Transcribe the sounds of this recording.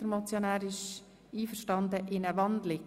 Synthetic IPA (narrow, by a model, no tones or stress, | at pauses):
əɾmɔt͡sjonæːɾɪʃ | iːfəɾʃtɑnd̪əʔɪnəʋɑndlɪ